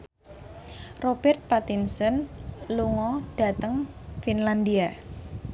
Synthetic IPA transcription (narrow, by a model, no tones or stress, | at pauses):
rob̥ɛrt̪̚pat̪insənluŋɔɖ̥a̤t̪əŋfinland̪ia